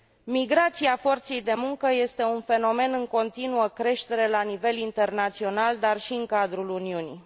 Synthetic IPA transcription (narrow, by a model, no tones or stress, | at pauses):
miɡɾat̪siafo̞rt̪se̞jd̪e̞muŋkəje̞st̪e̞unfe̞no̞me̞nɨŋko̞nt̪inuəkɾe̞ʃt̪e̞ɾe̞lanive̞lint̪e̞rnat̪sio̞nald̪arʃiɨŋkad̪ɾuluniunḭ